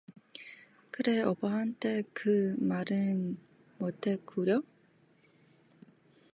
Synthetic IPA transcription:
kɯɾe̞ʌbaɦant͈ʰe̞kɯmaɾɯn | motʰe̞kuɾjʌ

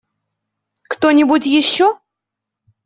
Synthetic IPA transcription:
kt̪onʲɪbutʲjɪɕːo

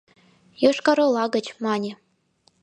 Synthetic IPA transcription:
joʃkɑɾɤ̆lˠɑɡə̆t͡ɕmɑnʲĕ

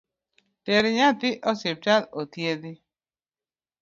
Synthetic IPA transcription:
teɾiɲat̪ɪʔɔsɪp̚talot̪jedɪ

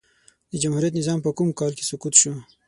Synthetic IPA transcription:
d̪əd͡ʒamhuɾijat̪nɪzɑːmpəkumkɑlke̥sʊkut̪ʃu

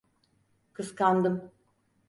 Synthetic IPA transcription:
kʰɯskand̪ɯm

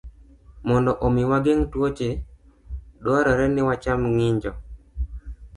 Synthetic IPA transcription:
mɔndɔʔomiwaɡeŋtwot͡ʃe | dwaɾɔɾɛnɪwat͡ʃamŋɪɲd͡ʒɔ

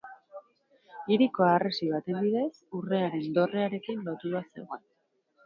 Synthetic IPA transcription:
iɾiko̞aresiβat̪e̞nb̪iðe̞sure̞aɾe̞nd̪o̞re̞aɾe̞kinlo̞t̪uðase̞̰ɣoen

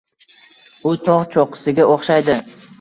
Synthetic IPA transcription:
ʊt̪ʰɒʁt͡ʃʰoqɨ̥sɪɡʲaʔoχʃajd̪ɪ

